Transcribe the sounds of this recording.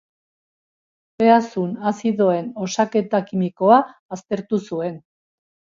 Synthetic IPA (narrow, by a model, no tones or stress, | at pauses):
be̞asunasiðoe̞no̞sake̞t̪akimiko̞aːst̪e̞ɾt̪usue̞n